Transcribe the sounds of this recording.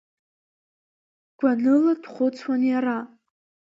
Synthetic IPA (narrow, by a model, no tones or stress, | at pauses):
ɡ̥ʷanɨladχʷʊt͡sʰwanjaɾa